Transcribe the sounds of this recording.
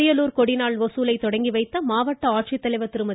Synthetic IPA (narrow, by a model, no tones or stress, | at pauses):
ɪjɐluːɾkɔɽɪnaːɭʋɐsuːlɐɪt̪ːɔɽɐŋɡiʋɐɪt̪ːɐmaːʋɐʈːɐaːʈ̚ʂɪt̪ːɐlɐɪʋɐt̪ːɪɾɯmɐ